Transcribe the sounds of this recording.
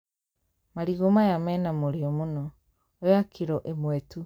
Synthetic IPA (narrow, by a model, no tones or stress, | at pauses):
maɾiɣomajamɛːnamoɾeɔmonɔ | ojakʰiɾɔʔemwɛtu